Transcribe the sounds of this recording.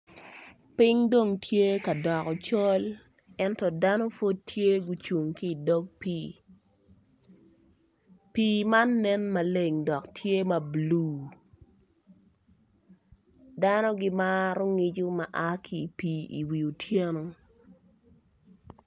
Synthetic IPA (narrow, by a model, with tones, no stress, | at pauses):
pɪ˦ŋdo˦˨ŋtʰje˦ka˨dɔ˨kɔ˨t͡ʃɔ˦l | ɛ˦ntɔ˨da˦no˦fo˦d̚tʰje˦ɡu˨t͡ʃu˨ŋkiː˦˨dɔ˦k̚piː˦ | piː˨ma˦nːɛ˦nma˨le˨ŋdɔ˨ktʰje˦mɐ˨bluː˦ | da˦no˦ɡɪ˦ma˦ɾʊ˦ŋi˦d͡ʒu˦ma˨ʔa˦kʰi˨piː˨ḭ˨wi˨u˨tʰje˦no˦